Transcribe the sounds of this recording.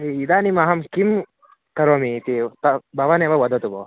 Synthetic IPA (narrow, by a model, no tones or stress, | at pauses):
eid̪aːnimɐɦɐmkim | kɐɾoːmit̪it̪ɐbɐʋɐneːʋɐʋɐd̪ɐt̪uboː